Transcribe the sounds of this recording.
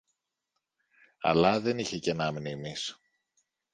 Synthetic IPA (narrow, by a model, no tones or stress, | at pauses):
ɐ̰lɐðe̞niçe̞ce̞nɐmnimis